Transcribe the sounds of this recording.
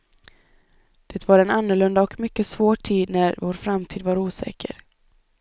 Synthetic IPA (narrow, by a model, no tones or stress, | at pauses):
d̪̥ɛːt̪vaɾɛnanːɵɭɵnd̪aɔkmʏkːəsvoːʈʰiːd̪næɾvoːɾfɾamt̪ʰiːd̪vaɾuːsɛ̰ːkʰə̰ɾ